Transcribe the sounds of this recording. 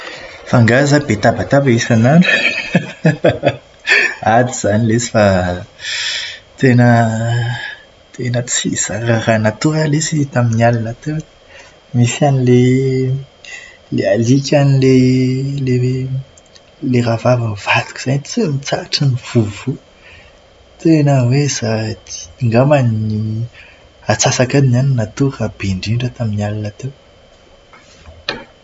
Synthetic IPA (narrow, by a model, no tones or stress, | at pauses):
faŋɡazabet̪abat̪avaisanaɳɖ͡ʐu | ad̪iz̥anilesi̥fa | t̪enə | t̪ʰenət͡siz̥aɾaɾanat̪uɾalesit̪aminalinat̪u | misanile | lealikʲanilele | leɾavavəniv̥at̪u̥ki̥z̥aɲt͡semit͡saʈ͡ʂaniv̥uvu | t̪enawezat̪i̥ŋɡamani | at͡sasakaninaninat̪urab̥eɳɖ͡ʐiɳɖ͡ʐət̪aminalinat̪ew